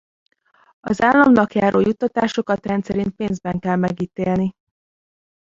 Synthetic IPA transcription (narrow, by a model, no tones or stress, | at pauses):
ɒ̰zaːlːɒmnɒkjaːɾoːjut̪ːɒt̪aːʃo̞kɒt̪rɛnt̪sɛɾint̪̚peːnzbɛŋkɛlmɛɡiːt̪eːlni